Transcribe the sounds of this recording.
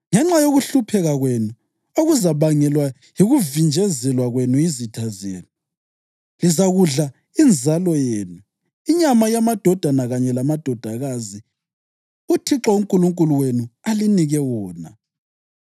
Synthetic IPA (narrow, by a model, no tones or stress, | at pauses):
ŋɛŋ͡ǁajoɣuɬupʰɛɣaɣwenu | oɣuzaβaŋɛlwa | jiɣuvind͡ʒʱɛzɛlwaɣwenuizitʰazḛːnu | lizaɣuɮa | ind͡zʱalɔjeːnu | iɲamajamad̥ʱɔd̥ʱanaɣaɲɛlamad̥ʱɔd̥ʱaɣazi | utʰiǁauŋkʼuluŋkʼuluwenualiniɣɛwɔːna̰